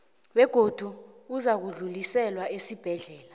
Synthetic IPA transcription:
wɛɡ̥ʱod̥ʱu | uzak̬uɮulisɛlwaesib̥ʱɛɮɛːla

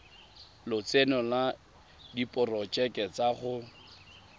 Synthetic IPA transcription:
lʊt͡senɔla | dipʼʊrɔt͡ʃʼɛkʼɛt͡saχʊ

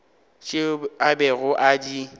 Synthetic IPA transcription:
t͡ʃʼɪabɛɣʊʔadi

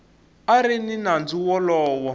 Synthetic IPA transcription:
aɾininand͡zuwɔlɔːwɔ

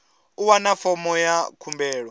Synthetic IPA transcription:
uwanafɔmɔjakʰumbɛːɺɔ

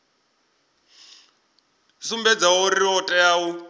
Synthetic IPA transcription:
sumbɛd͡zaɔriɔtʼɛjaːwu

